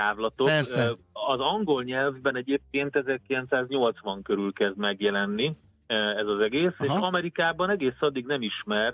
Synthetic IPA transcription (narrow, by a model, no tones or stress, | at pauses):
t̪aːvlɒt̪o | ɒzɒŋɡo̞lɲɛlvbɛnɛɟeːp̚keːnt̪ɛzɛrkilɛnt̪saːzɲo̞lt̪sʋɒŋkøɾylkɛzd̪mɛɡjɛlɛnːi | ɛzɒzɛɡeːseːʃɒmɛɾikaːbɒnɛɡeːsɒd̪ːiɡnɛmiʃmɛr